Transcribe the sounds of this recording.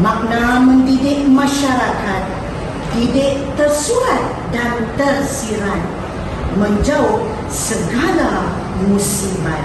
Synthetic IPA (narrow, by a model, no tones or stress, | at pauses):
mak̚naməndidɪʔmaʃaɾakat̪̚ː | idɪʔt̪ərsuɾat̪̚ | dant̪ərsiɾan̚ | mənd͡ʒauk̚ | səɡala | musimat̪